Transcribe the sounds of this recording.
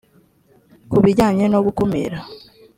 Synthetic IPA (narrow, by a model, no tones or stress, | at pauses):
kuβiɟaːɲe̞no̞ɡukomḛɾa